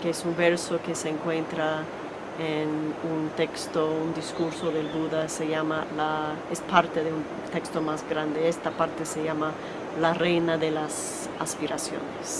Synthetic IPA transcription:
keesumbeɾsokeseːŋkwe̞nt̪ɾa | enunt̪e̞kst̪ound̪iskuɾsoðelduðaseʝamalaespaɾt̪eðeun | t̪e̞kst̪o̞mazɣɾand̪eest̪apaɾt̪eseʝama | larejnaðelas | aspiɾasjo̰nes

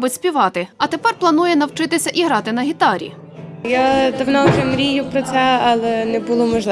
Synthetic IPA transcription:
bʊtʲsʲpʲiʋɑt̪ɪɐt̪epɛrplˠɐnujɛnɐwt͡ʃɪt̪ɪsʲɐʔiɦɾɑt̪ɪnɐɦʲit̪ɑɾʲḭ | jad̪ɐwnɔʒɛmɾʲijʊpɾɔt͡s̪ʲɛɐlˠɛnɛbulˠɔmɔʒlˠɪ

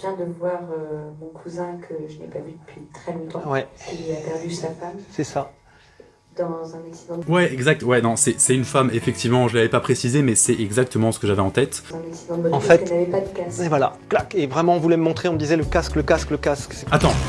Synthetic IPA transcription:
vjɛ̃d̪əvwaʁømɔ̃kʰuzɛ̃kʰəʒənɛ̰pavyd̪əpʰɥit̪χɛlɔ̃t̪ɑ̃wɛɛlyapɛʁd̪ysafamsɛsa | d̪ɑ̃zɛ̃nɛksid̪ɑ̃wɛɛɡzak̚t̪wɛnɔ̃sɛsɛynfamefɛk̚t̪ivmɑ̃ʒəlavɛpapχesizemɛsɛɛɡzak̚t̪əmɑ̃sə̥kəʒavɛɑ̃t̪ɛt̪zɛ̃nɛksivɑ̃ɑ̃ffɛtɛavɛpad̪əkaskɛvwala̰klakevʁɛmɑ̃ɔ̃vulɛməmɔ̃t̪χeɔ̃məd̪izɛləkaskləkaskləkasksat̪ɑ̃

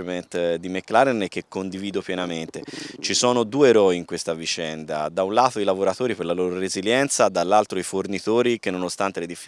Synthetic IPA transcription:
ment̪d̪imekːlaɾenk̟ekːond̪iviːd̪opjɛnament̪et͡ʃisɔːnod̪uːeɾɔiːŋkwest̪avit͡ʃɛnd̪ad̪aunlaːt̪oilavoɾat̪oːɾipeɾlaloːɾoɾeziljɛnt̪sad̪alːalt̪ɾoifornit̪oːɾik̟enːonost̪ant̪eled̪ifːi

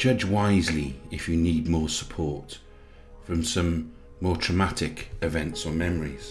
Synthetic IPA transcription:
d̥d͡ʒ̥ʌd͡ʒwaɪzliɪfjəniːd̚mɔːsə̥pʰɔɹt | fɹə̃msʌ̃mː | ɔːtʰɹ̥əmatɪkɪvɛ̃ntsəmɛməɹiz̥

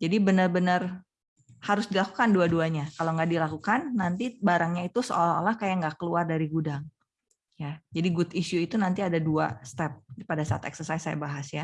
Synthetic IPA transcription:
d͡ʒadibənərbənər | haɾʊsdilakukanduaduaɲakaloŋɡaʔdilakukanːant̪ibaɾaŋɲait̪usəo̰lao̰lahkajaŋɡakəluardaɾiɡudaŋ | jad͡ʒadiɡʊt̪isuit̪unant̪iadaduast̪ɛp̚dipadasaa̰t̪ɛ̰ksərsaisaja̰baɦasja

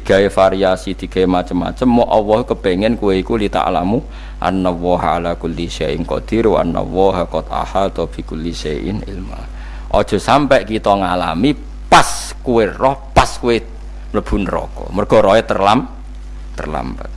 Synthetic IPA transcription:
d̪iɡ̥a̤efaɾiasid̪̥i̤ɡ̥a̤emat͡ʃəmːa̰t͡ʃəmːɔʔɔwɔhkəb̥e̤ŋɛnkuweikulit̪a̰ʔlamu | ʔa̰nːəwɔɦalakulːiseɪŋkɔ̰ʔd̪̥iɾua̰nːə̰wɔɦakɔt̪a̰halt̪ob̥i̤kulːiseʔɪ̰nɪ̰lma̰ | ʔɔd̥ʒ̥ɔ̤sampɛʔkit̪ɔŋalami | pas | kuerɔhpaskuwe | ləb̥ṳnrɔ̰kɔ̰mərɡ̥ɔ̤ɾɔɛt̪ərlam | t̪ə̰rla̰mbət̪̚

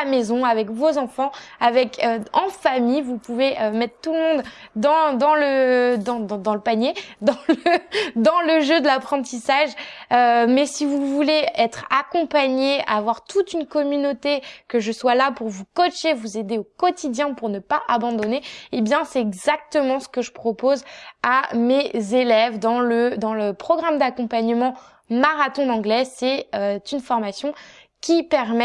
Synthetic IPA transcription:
mezɔ̃avɛkvozɑ̃fɑ̃avɛkʰøɑ̃famijvupuveømɛt̪χt̪ulmɔ̃d̪d̪ɑ̃d̪ɑ̃ləd̪ɑ̃d̪ɑ̃d̪ɑ̃ləpaɲjed̪ɑ̃ləd̪ɑ̃ləʒød̪əlapχɑ̃t̪isaʒømɛsivuvuleɛt̪χakɔ̃paɲeavwaʁt̪ut̪ynkɔmynot̪ekəʒəswalapuʁvukɔʃevuzed̪eokɔt̪id̪jɛ̃puʁnəpaʔabɑ̃d̪ɔneebjɛ̃sɛt̪ɛɡzak̚t̪əmɑ̃sə̥kəʒəpχɔpozamezelɛvd̪ɑ̃ləd̪ɑ̃ləpχɔɡʁamd̪akɔ̃paɲəmɑ̃ | maʁat̪ɔ̃d̪ɑ̃ɡlɛsɛøt̪ynfɔʁmasjɔ̃ | kʲipɛʁmɛ

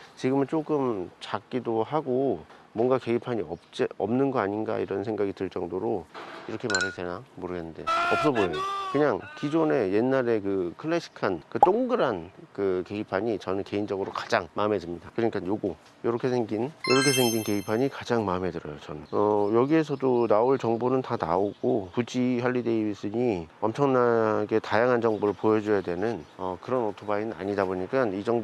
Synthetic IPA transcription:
t͡ɕiɡɯmɯɭt͡ɕ͈ok͈ɯmt͡ɕak̚k͈idoɦaɡomwʌŋɡake̞ipʰaɲiʌp̚t͡ɕ͈eʌmnɯnɡʌaɲinɡa̰iɾʌnsʰe̞ŋɡaɡidɯɭt͡ɕ͈ʌŋdoɾoiɾʌkʰe̞maɾɯdʰenamoɾɯɡe̞nːɯnde̞ʌp̚s͈ʌboejokɯɲaŋkid͡ʑone̞je̞nːaɾe̞kɯkʰɯɭːeɕʰi̥kʰankɯt͈oŋɡɯɾankɯke̞ipʰaɲit͡ɕʌnɯnke̞ind͡ʑʌɡɯɾokḁd͡ʑaŋmaɯme̞dɯmɲidakɯɲik͈ʰanjoɡo | joɾʌkʰe̞sʰe̞ŋɡinjoɾʌkʰe̞s̬ʰe̞ŋɡinke̞ipʰaɲikad͡ʑaŋmaɯmɦe̞dɯɾʌjo̰t͡ɕʌnɯnʌjʌɡie̞s̬ʰʌdonaoɭt͡ɕʌŋbonɯntana̰oɡ̥opud͡ʑiɦaʎːide̞ibis͈ɯɲiʌmt͡ɕʰʌŋnaɡe̞tajaŋɦand͡ʑʌŋboɾɯɭpojʌd͡ʑujadwe̞nɯnʌkɯɾʌnotʰobainɯna̰ɲidaboɲik͈anid͡ʑʌŋb

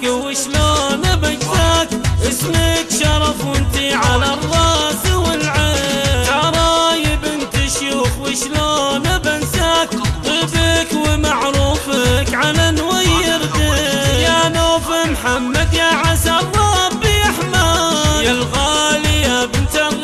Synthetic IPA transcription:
kɪwɪʃloːnɪbasakʔɪsmɪkʃɑɾˤɑfʊnt̪iʕalarˤːɑːzɪwɪlʕɪɑɾˤɑjɪbɪnt̪ɪʃufwɪʃloːnɪbansakt̪ˤɨbɪkwɪmaʕɾuːfɪkʕalanwajɪɾt̪ɪjanoːfɪmħamːad̪jaʕasaɾˤːɑbɪaħmaalɣaːlɪabɪnt̪a

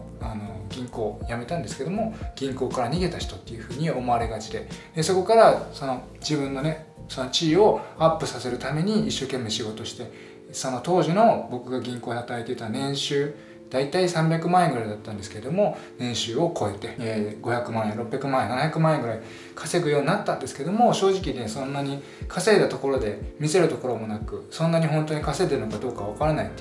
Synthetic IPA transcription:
ano̞ɡʲĩŋko̞ːjame̞t̪ãnd̪eske̞d̪o̞mo̞ɡ̥ʲĩŋko̞ːkaɾaɲ̟iɡe̞t̪açi̥t̪o̞t̪ːe̞jɯ̟ɸɯ̟ːɲ̟io̞mo̞aɾe̞ɡat͡ɕid̪e̞d̪̥eso̞ko̞kaɾaso̞no̞ | d͡ʑibɯ̟̃nːo̞ne̞ | so̞no̞t͡ɕiːo̞apːɯ̟sase̞ɾɯ̟t̪ame̞ɲ̟iːɕːo̞ːkẽ̞mːe̞ɕiɡo̞t̪o̞ɕi̥t̪e̞ | sono̞t̪o̞ːʑino̞bo̞kɯ̟ɡaɡʲĩŋko̞ːat̪aet̪et̪anẽ̞ɰ̃ɕɨː | d̪̥ait̪aisãmbʲakɯ̟mãeŋɡɯɾaid̪at̪ːãnd̪esɨ̥keed̪o̞mo̞nẽ̞ɰ̃ɕɨːo̞kʰo̞e̞t̪e̞ɡo̞çakɯ̟mãɰ̃ẽɾo̞pːʲjakɯ̟mãẽnanahçakɯ̟mãeŋɡɯ̟ɾai | kʰḁse̞ɡɯ̟jo̞ːɲ̟ʲinat̪ːãnd̪esɨ̥ke̞d̪o̞mo̞ɕo̞ːʑikʲinesõ̞nːaɲ̟i | kʰase̞ːd̪at̪o̞ko̞ɾo̞d̪e̞mʲise̞ɾɯ̟t̪o̞ko̞ɾo̞mo̞nakɯ̟sõ̞nːaɲ̟iɦõ̞nt̪oɲ̟ikase̞d̪e̞ɾɯ̟nokad̪o̞ːkaβakaɾanait̪ː

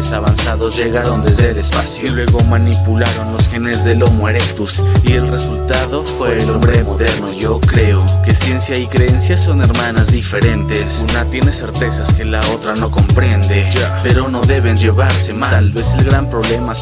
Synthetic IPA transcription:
esaβansaðo̞zʝe̞ɣaɾo̞nd̪ezðelespasjolwe̞ɣo̞manipulaɾo̞nlo̞sxene̞zðe̞lo̞mweɾekt̪usie̞lre̞sult̪aðo̞fwelombɾemo̞ðe̞ɾnoiʝo̞kɾe̞oke̞sje̞nsjaikɾeensjaso̞ne̞ɾmãnazðife̞ɾe̞nt̪e̞sunat̪je̞ne̞se̞ɾt̪e̞saske̞laot̪ɾano̞ko̞mpɾe̞nd̪e̞d͡ʒape̞ɾo̞no̞ðe̞βe̞nd͡ʒe̞βaɾse̞maalβeselɣɾampɾo̞βle̞ma

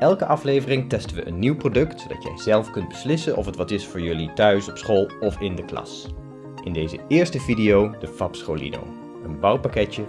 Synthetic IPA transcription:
ʔɛlˠkəʔɑflejvərɪŋtɛstəʋə̰ʔə̰nːiwprodɵktsowdɑ̰tjɛ̰jz̥ɛlˠfkɵnd̚bəslɪsənʔɔ̰fətʋɑtɪsfʊːɹjɵlitœɥsɔpsχolˠɔfɪndəklɑ̰s | ʔɪndejzəɪːɹstəvidijowdəfɑpsχolḭno̰w | ənbɑwpakɛtjə

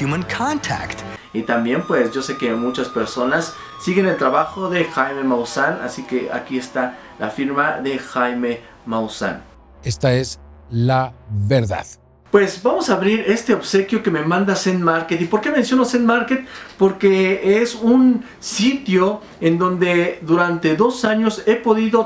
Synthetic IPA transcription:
jumə̃nkʰɑ̃ntʰæ̰kt | it̪ambje̞mpwe̞sʝo̞se̞ke̞mut͡ʃaspe̞ɾso̞nasː | iɣe̞ne̞lt̪ɾaβaxo̞ðe̞xajme̞mawsana̰sike̞a̰kie̞st̪a | la̰fiɾmaðe̞xajme̞ | mawsa̰n | est̪aez | laβeɾða̰ð | pwe̞sbamo̞saːβɾiɾe̞st̪e̞oβse̞kjo̞ke̞me̞mãnd̪asend̪maɾket̪ipo̞ɾkemensjo̞nosend̪maɾket̪̚po̞ɾke̞esun | sit̪jo̞ | end̪o̞nd̪e̞ðuɾant̪e̞ðo̞saɲo̞se̞po̞ðiðo̞

